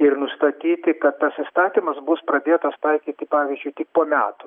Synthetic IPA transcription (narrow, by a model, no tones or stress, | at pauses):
ɪrnʊst̪ɐt̪ʲiːt̪ʲɪkɐt̪t̪ːɐsɪst̪ɑːt̪ʲimɐsbʊspɾɐd̪ʲeːt̪ɐst̪ɐɪkʲiːt̪ʲɪpɑːʋʲizʲd͡ʒʲʊɪt̪ʲɪkkpoːmʲæ̰ːt̪ʊ